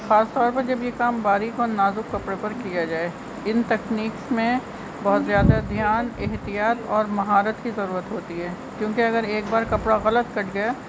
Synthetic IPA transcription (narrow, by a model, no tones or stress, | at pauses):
xaːst̪ɔːɾpɐɾd͡ʒɐbjekaːmbaːɾikoːnaːzʊkːɐpɽepɐɾkijad͡ʒaːe | ɪnt̪ɛkniːksmẽ | bɐɦʊt̪zjaːd̪ad̪ʱjaːnɪɦt̪ijaːt̪ɔːɾmɐɦaːɾət̪kizɐɾuːɾət̪ɦoːt̪iɦɛː | kjõːkeɐɡəɾeːk̚baːɾkɐpɽaɣɐlət̪kɐʈʰɡɐja